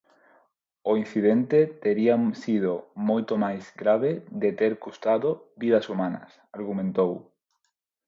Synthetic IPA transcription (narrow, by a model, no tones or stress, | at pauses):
oin̟θið̞ent̪et̪eɾiasið̞omojt̪omajzɡɾaβeðet̪eɾkust̪aðobið̞ɐsumanɐ̰saɾɣ̞umẽnt̪ow